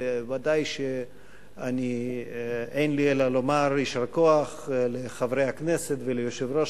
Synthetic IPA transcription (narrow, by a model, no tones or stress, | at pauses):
vad̪ajʃe | ani | ejnlielalomaɾiʃaɾakoaχleχavɾejhakneset̪velejoʃevɾo